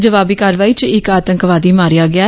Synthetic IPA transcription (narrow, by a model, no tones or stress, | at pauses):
d͡ʒəʋaːbiːkaːɾʋaːiːt͡ʃɪkaːt̪ə̃ŋkʋaːd̪iːmaːɾɪjaːɡɪaː